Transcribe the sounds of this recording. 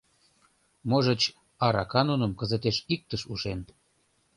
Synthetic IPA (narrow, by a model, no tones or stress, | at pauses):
moʒə̆t͡ɕ | ɑɾɑkɑnonə̆mkə̆zət̪eʃik̚t̪əʃuʃen